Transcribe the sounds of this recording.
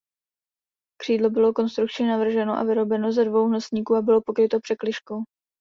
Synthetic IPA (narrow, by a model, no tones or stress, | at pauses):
kr̝̥iːdlo̞bɪlo̞ko̞nst̪ɾuk̚t͡ʃɲɪnavr̩ʒɛno̞ʔa̰vɪɾo̞bɛno̞zɛdvo̞wɦlasɲiːkuːabɪlo̞po̞kɾɪt̪o̞pr̝̥ɛklɪʃko̞w